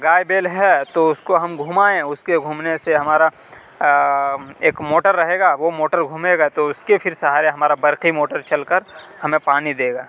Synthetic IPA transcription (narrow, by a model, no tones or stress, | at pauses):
ɡaːjbeːlɦɛt̪oʊskoɦɐmɡʱuːmaːẽʊskeɡʱuːmneseɦɐmaːɾa | eːkmoːʈəɾːɐɦeːɡaːʋomoːʈəɾɡʱuːmeːɡat̪oʊskepʰɪɾsɐɦaːɾeɦɐmaːɾabɐɾqimoːʈəɾt͡ʃɐlkəɾhɐmẽpaːnid̪eːɡaː